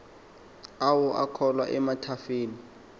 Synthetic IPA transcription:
awɔʔakʰɔlwa̰ʔɛmatʰafeːni

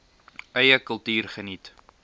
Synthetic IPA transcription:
œjəkəlˠtyːrχənit

